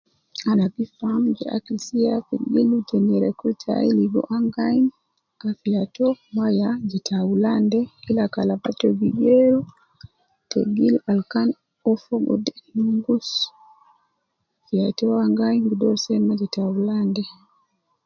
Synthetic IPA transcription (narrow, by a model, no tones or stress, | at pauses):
anabifamd͡ʒɛ̰ʔa̰kilsijafɛɡilutɛnɛɾɛkultʰa̰iliɡɔ̰ʔaŋɡajn | kafijatɔmajad͡ʒɛtʰawulandɛilakalabatɔɡiɡeɾu | tḛɡilalkan | ɔfɔɡɔ̰dɛnuŋɡus | fijatɔwaŋɡajnɡudɔɾsɛmad͡ʒɛtawulandɛ